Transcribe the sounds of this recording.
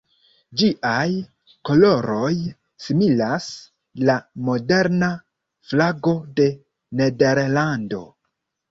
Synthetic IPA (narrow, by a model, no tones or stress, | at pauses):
d͡ʒiʔaj | ko̞lo̞ɾo̞j | similas | lamo̞de̞ɾna | flaɡo̞de̞ | ne̞de̞ɾlando̞